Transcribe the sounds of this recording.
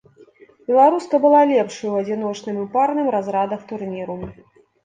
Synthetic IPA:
bʲɛlˠaɾuskɐbɨlˠalʲɛpʂɐjuɐd͡zʲinɔt͡ʂnɨmɨparnɨmɾazɾad̪ɐxt̪urnʲiɾu

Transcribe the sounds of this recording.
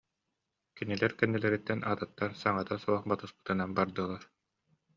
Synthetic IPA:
kinilɛɾkɛnːɛlɛɾit̪ːɛnʔaːt̪at̪ːaɾsaŋat̪asuɔχbat̪ɯspɯ̥t̪ɯnanbaɾd̪ɯːlˠaɾ

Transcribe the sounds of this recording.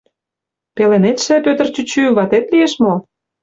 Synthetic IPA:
pelenet̪ʃĕpøt̪ərt͡ɕyt͡ɕyβɑt̪et̪lieʃmo

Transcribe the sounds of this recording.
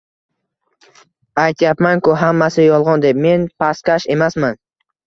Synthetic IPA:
ajt̪ʰjapmankʊɦamːasɪjɒlˠʁɒnd̪e̞pme̞npʰaskʲaʃe̞masman

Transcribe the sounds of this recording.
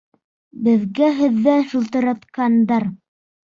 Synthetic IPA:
bɘ̆ðɡæɦɘ̆ðːæʃŭlˠt̪ɤ̆ɾɑt̪qɑnd̪ɑɾ

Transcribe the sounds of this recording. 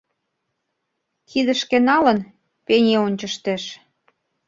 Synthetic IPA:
kʰid̪əʃkĕnɑlən | penʲeonʲt͡ɕəʃt̪eʃ

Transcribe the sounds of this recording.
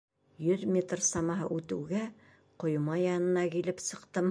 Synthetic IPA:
jɵðmʲet̪rsɑmɑɦɤ̰ʔʉt̪ɘ̆wɡæ | qŏjumɑjɑnɤ̆nɑkilɘpsɤ̆qt̪ɤm

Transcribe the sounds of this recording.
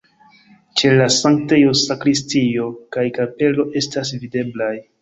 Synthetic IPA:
t͡ʃe̞lasaŋk̚tajosakɾistio̞kajkape̞lo̞ʔe̞stas̬vide̞blaj

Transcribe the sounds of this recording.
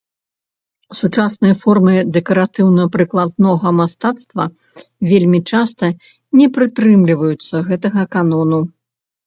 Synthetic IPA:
sut͡ʂasnɨjɐfɔrmɨd̪ɛkɐɾat̪ɨwnɐpɾɨklˠad̪nɔɣɐmast̪at̪st̪vɐ | vʲelʲmʲit͡ʂast̪ɐ | nʲɛpɾɨt̪ɾɨmlʲivɐjut̪sːɐɣɛt̪ɐɣɐkanɔnu

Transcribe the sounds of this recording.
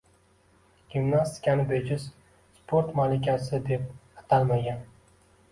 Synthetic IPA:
ɡ̥ʲimnast̪ʰɪ̥kʲanɪbed͡ʒɪs | spʰoɾt̪malɪkʲasɪd̪e̞p̚at̪ʰalˠmaɡʲan

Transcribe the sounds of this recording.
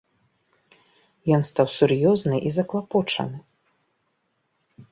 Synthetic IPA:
jɔnst̪awsurjɔznɨʔizɐklˠapɔt͡ʂɐ̰nɨ

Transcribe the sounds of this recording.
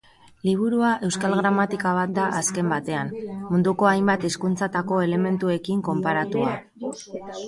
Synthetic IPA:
liβ̞uɾuaʔe̞wskalɣɾamat̪ikaβ̞at̪̚d̪aʔaske̞mbat̪e̞anmund̪uko̞ajmbat̪iskunt͡sat̪ako̞e̞le̞me̞nt̪ue̞kiŋko̞mpaɾat̪ua

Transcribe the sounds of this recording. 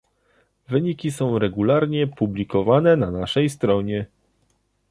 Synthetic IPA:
vɘɲikʲisɔ̃w̃ɾɛɡulaɾɲɛpublʲikɔvanɛnanaʂɛjst̪ɾɔɲɛ

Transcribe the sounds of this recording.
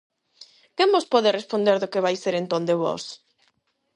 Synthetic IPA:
kembospɔðerespond̪eɾðʊkeβajseɾent̪ond̪eβɔ̰s

